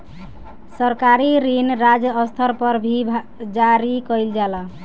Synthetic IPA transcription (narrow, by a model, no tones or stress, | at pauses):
səɾkaɾiɾinɾad͡ʒəst̪ʰəɾpəɾbʱi | d͡ʒaɾikəjld͡ʒala